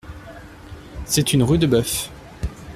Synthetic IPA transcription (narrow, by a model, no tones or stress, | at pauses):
sɛt̪ynʁyd̪əbœf